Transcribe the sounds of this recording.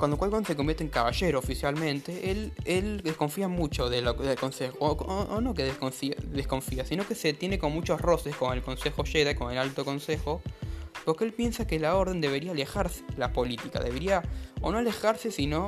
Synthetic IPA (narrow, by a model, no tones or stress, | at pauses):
kwand̪okwalkonosek̬ombjeɾt̪eŋkaβaʒe̞ɾoːfisjalmẽnt̪eʔeleld̪ehko̞ɱfiamut͡ʃo̞ðeloðelko̞nsexoʔːno̞k̬eðekofiðesko̞ɱfiasino̞keset̪jenekomomut͡ʃosro̞seskomoelko̞nsexoʃeðaikomoelalt̪oko̞nsexo̞poɾkeelpje̞nsakelao̞ɾðe̞nd̪e̞β̞e̞ɾiaːlexaɾse̥lapo̞lit̪ika̰ðe̞βeɾiaono̞alexaɾsesino̞